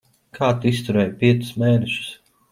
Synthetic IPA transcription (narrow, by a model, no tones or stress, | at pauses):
kʰaːt̪uist̪uɾɛːjpʲiɛt̪sʊ̥smeːnɛʃu̥s